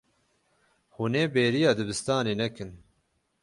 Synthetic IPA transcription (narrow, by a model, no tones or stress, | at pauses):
huneːbeːɾijɑːd̪ɨbɨst̪ɑːneːnɛkɨn